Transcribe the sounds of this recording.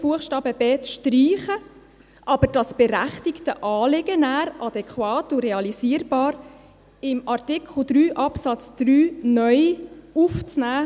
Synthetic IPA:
b̥uəχʃtɑːbəbeːt͡sʃtriːχə | ʔɑbəɾd̥ɑsb̥ɛɾæχtɪktəʔɑːlɪɡənæːɾʔɑd̪ɛkχwɑːtuɾeɑlisiːəɾbɑːɾ | ɪmɑrtɪkχl̩ˠd̪ɾyːʔɑpsɑt͡sd̪̥ryːnœʏuft͡snæː

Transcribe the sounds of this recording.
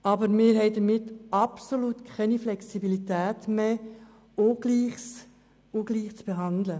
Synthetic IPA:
ɑbəɾmɪːɾɦɛɪdəɾmɪtɑpsoluːtkʰɛniflɛksibilitæːtmeː | oɡ̥liːχs | oɡ̥liːχt͡sb̥eɦɑndlə

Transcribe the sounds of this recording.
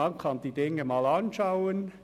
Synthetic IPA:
ɑnkʰɑnd̥iːd̥ɪŋəmɑːlɑnʃaʊən

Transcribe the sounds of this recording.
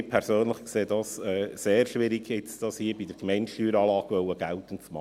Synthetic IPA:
ɪpʰɛɾsøːnləχkseːdɑsɛːseːɾʃʋɪɾiɡɪt͡sd̥ɑshiːbidəɾɡmɛɪnʃyːɾɑːlɑːɡvœwəɡ̥ɛltənt͡smɑ̰

